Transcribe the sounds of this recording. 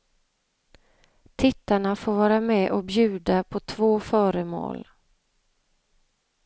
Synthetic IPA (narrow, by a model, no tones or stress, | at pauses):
t̪ʰɪt̪ːaɳafoːɾvɑːɾamɛːʔɔbjʉ̟ːd̪apʰɔt̪ʰvoːfœːɾəmo̰ːl